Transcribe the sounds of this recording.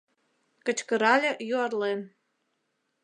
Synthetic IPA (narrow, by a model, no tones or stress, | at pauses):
kə̆t͡ɕkə̆ɾɑlʲĕjuɑrlen